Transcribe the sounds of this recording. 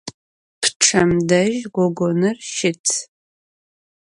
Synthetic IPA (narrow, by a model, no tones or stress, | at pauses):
pʰʈ͡ʂʰɐmdɐʒɡʷɔɡʷonɨrʃɪtʰ